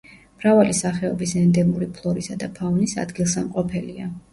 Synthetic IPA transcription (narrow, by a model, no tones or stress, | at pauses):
mɾavalisaχɛɔbisɛnd̪ɛmuɾipʰlˠɔɾisad̪apʰavnisa̰d̪ɡilˠsamqʼɔpʰɛlia